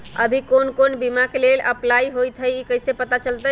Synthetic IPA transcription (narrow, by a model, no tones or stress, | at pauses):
ə̰bʱikonkonbimakelelʔə̰plaiɦojt̪ʰəjikəjsepət̪at͡ʃəlt̪ə